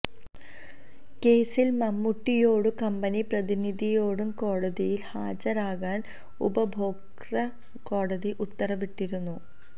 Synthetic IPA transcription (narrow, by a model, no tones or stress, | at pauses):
ke̞ːsilmɐmːuʈːijo̞ːɽɨkɐmbɐniprɐðinid̪ʱijo̞ːɽumko̞ːɽɐðijilhaːd͡ʑɐɾaːɣaːn | ṵbɐbʱo̞ːk | rɐ | ko̞ːɽɐðiʔut̪ːɐrɐʋiʈːiɾunːu